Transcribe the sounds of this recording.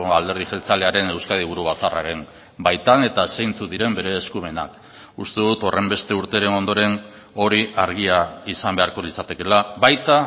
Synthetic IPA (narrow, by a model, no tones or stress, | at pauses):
ald̪e̞ɾð̞iʝe̞lt͡sale̞aɾe̞ne̞wskað̞iβ̞uɾuβ̞at͡sara̰ɾe̞n | bajt̪ane̞t̪asejnt͡suðiɾe̞mbe̞ɾe̞ːskume̞na̰k | ust̪e̞ðut̪o̞rʔe̞mbe̞st̪e̞uɾt̪e̞ɾe̞no̞nd̪o̞ɾe̞n | o̞ɾiʔaɾɣiaisambe̞aɾko̞lit͡sat̪e̞ke̞laβajt̪a